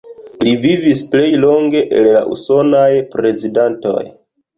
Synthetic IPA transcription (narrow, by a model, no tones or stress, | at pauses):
livivisple̞jlo̞ŋɡe̞ʔella̰ʔṵso̞najpɾe̞zidanto̞̰j